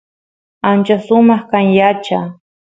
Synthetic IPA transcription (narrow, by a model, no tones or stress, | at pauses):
ant͡ʃasʊmɑχkaŋjat͡ʃa